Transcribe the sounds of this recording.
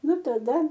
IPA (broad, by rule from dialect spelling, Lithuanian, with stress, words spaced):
ˈnʊ tɐˈdɐ